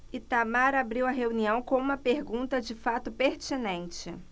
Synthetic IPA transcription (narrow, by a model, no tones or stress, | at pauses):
ɪt̪amaɾabɾiwɐɦeuniɐ̃w̃kõũmɐpeɾɡũnt̪ɐd͡ʒɪfat̪ʊpeɾt͡ʃinẽnt͡ʃɪ